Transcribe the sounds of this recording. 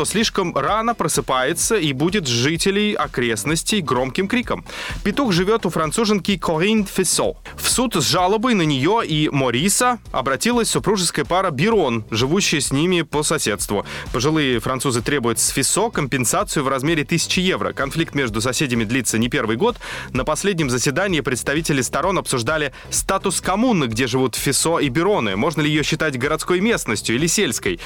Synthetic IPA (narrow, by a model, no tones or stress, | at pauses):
t̪osʲlʲiʂkəmranəpɾəsɨpajɪt̪səibudʲɪt̪ʐɨtʲɪlʲɪjɐ̰kɾʲe̞snəsʲtʲɪjɡɾo̞mkʲɪmkɾʲikəmpʲɪt̪uxʐɨvʲo̞t̪ʊfɾɐnt̪suʐɨnkʲɪjkʰoʁinfʲɪso̰ | fsut̪zʐalˠəbəjnənʲɪjo̞imoɾʲisəɐ̰bɾɐtʲilˠəsʲsʊpɾuʐɨskəjəpaɾəbʲɪɾonʐɨvuɕːɪjsʲnʲimʲɪpəsɐsʲe̞t̪st̪vʊ̰pəʐɨlˠɨjɪfɾɐnt̪suzɨt̪ɾʲe̞bʊjʊt̪sfʲɪso̞kəmʲpʲɪnsat̪sɨjʊvrɐzmʲeɾʲɪt̪ɨsʲɪ̥t͡ɕɪje̞vɾə̰kɐnflʲik̚t̪mʲeʐd̪ʊs̬ɐsʲedʲɪmʲɪd̪lʲit̪sːənʲɪpʲe̞rvɨjɡo̞t̪nəpɐsʲlʲedʲnʲɪmzəsʲvʲɪd̪anʲɪːpɾʲɪt̪st̪ɐvʲitʲɪlʲɪst̪ɐɾo̞nɐpsʊʐd̪alʲɪ | st̪at̪ʊskɐmunːɨɡdʲeʐɨvut̪fʲɪso̞ibʲɪɾo̞nɨ̰mo̞ʐnəlʲɪjɪjoɕːɪt̪atʲɡəɾɐt̪sko̞jmʲe̞snəsʲtʲjʊilʲɪsʲelʲskəj